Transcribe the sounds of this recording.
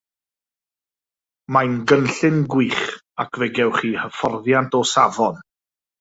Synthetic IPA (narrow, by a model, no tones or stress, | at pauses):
majnɡənɬɪnɡwiːχ | akʰvɛɡɛwχiːhəfɔrðjantʰɔsavɔn